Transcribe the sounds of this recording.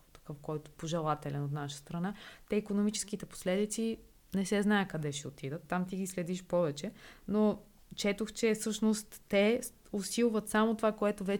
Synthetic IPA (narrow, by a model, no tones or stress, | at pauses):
t̪ɐ̥kɤfkɔjt̪ʊ̥poʒɛlˠat̪ɛlɛnot̪naʃə̥st̪ɾɐnat̪ɛikonomit͡ʃɛ̥skit̪ɛpo̥slɛd̪it̪si | nɛsɛznajəkɐd̪ɛʃɛot̪id̪ət̪ːamt̪iɡislɛd̪iʃpɔvɛt͡ʃɛno | t͡ʃɛt̪oxt͡ʃɛfsɤʃnost̪ːɛ | osilˠvət̪samot̪ovakoɛt̪ovɛ